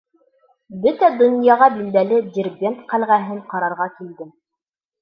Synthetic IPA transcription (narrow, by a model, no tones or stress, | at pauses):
bɵt̪æd̪ŏnjɑʁɑbild̪ælɘd̪ʲerbʲent̪qælʁæɦɘɴqɑɾɑɾʁɑkild̪ɘm